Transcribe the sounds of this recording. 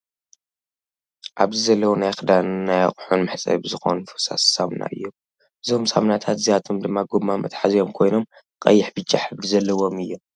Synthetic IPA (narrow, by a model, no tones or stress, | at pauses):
ʔaβzɨzɐlːɐwunajxɨd̪anːaja̰χʼħunmɨħt͡sʼɐ̰jbɨzɨxo̞̰nfɨsa̰ssamna̰ʔɨjːo | bɨzomsa̰mnat̪ʰat̪zijat̪ʰomd̪ɨmːaɡomːamɐ̰t̪ʼħazijo̞mkʰo̞jno̞m | kʼɐ̰jːɪħbɨt͡ʃʼːaħbɨzɐlːɐwo̞mɨjːo